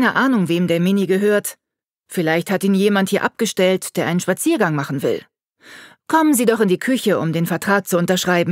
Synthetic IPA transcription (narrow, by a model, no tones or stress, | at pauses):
nəʔaːnʊŋveːmdeːɐmɪniɡəɦøːɐt | fɪlaɪçthatiːnjeːmanthiːɐʔa̰p̚ɡ̥əʃtɛltd̥eːɐʔa̰ɪənʃpat͡siːɐɡaŋmaχn̩vɪ̰l | kʰɔmənziːdɔχɪndiːkʰʏçəʊ̰mdeːnfɛɐtʁ̥aːk̚t͡suʊntɐʃʁ̥aɪbm̩